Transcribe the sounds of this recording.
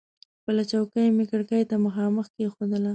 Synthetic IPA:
pəlat͡ʃawkajmɪkəɽkajt̪aməxɑməxkexod̪əla

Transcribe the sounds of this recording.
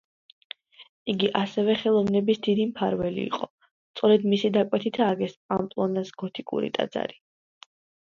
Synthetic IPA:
iɡiʔasɛvɛχɛlˠɔvnɛbisd̪id̪impʰaɾvɛlḭːqʼɔ | st̪sʼɔɾɛd̪misid̪akʼwɛt̪ʰit̪ʰaːɡɛspʼampʼlˠɔnasɡ̥ɔt̪ʰikʼṵɾḭt̪ʼa̰d̪za̰ɾi

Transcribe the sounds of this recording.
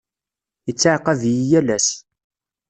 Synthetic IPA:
jət͡sːaʕqɑðjijælæs

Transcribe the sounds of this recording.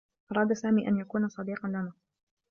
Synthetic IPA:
ʔɑɾˤɑːd̪asaːmiːʔanjakuːnasˤɑd̪iːqɑnlana

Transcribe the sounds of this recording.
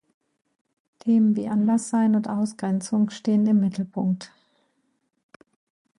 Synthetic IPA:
tʰeːmənvḭːʔanlasz̥aɪnʊntʔaʊsɡ̥ʁɛnt͡sʊŋʃteːənɪmːɪtʰl̩pʰʊŋk̚t

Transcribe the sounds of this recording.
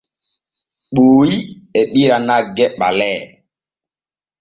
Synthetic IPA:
ɓuːiɛɓiɾanaɡɛɓa̰lɛː

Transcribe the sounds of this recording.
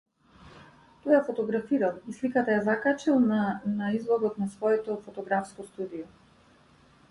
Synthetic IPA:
t̪ɔjafɔt̪ɔɡɾafiɾalˠislikat̪ajazakat͡ʃilˠnanaizlˠɔd̪ɔt̪nasvɔɛt̪ɔfɔt̪ɔɡɾafskɔst̪ud̪ijɔ

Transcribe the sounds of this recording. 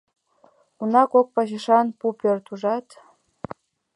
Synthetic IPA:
unɑkok̚pɑʑəʃɑnpupørt̪uʒɑt̪

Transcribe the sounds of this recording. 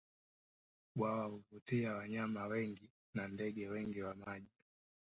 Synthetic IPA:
ɓwawahuvutiawaɲamawɛŋɡi | nandɛɡɛwɛŋɡiwamaʄi

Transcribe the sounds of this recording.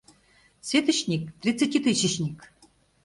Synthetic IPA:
sʲet̪ɘ̆t͡ɕnʲik̚t̪rʲit̪t͡sːɨtʲit̪ɨɕĭt͡ɕnʲik

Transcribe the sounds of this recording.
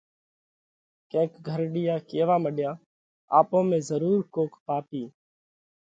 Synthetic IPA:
kẽːkɡʱəɾɗɪːjaːkeːʋaːməɗjãː | aːpõːmẽːzəɾuːɾkoːkpaːpiː

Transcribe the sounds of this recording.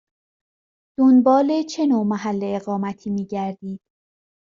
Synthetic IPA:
d̪̥onbɒːle̞t͡ʃʰe̞noːmæɦælːeeɣɒːmæt̪ʰiːmiːɟæɾd̪iːd̪̥̚

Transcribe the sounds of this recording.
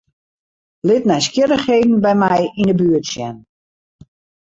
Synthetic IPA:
lɪtnɛjskjɪɾəxheːdn̩bɛjmɛjindəbyːətsjɛn

